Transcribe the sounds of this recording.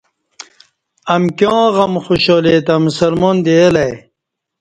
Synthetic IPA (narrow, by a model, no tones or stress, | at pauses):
ɐmkjõːʁɐmxoɕoːlet̪ɐmusɐlmond̪eːlɐj